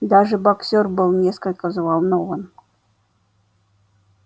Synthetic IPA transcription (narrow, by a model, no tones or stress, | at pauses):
d̪aʐɨbaksʲorbɨlˠnʲeskəlʲkəzvɑlˠnovən